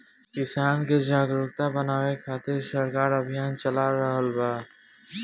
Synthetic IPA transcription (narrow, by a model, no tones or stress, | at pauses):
kɪsaːnked͡ʒaːɡɾʊkt̪abənaːwekʰaːt̪ɪɾsəɾkaːɾɐbʱijaːnt͡ʃɐlaɾəɦəlbaː